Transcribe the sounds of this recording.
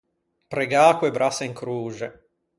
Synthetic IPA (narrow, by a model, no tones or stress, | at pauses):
pɾeɡaːkwebɾʔaseiŋkɾuːd͡ʒe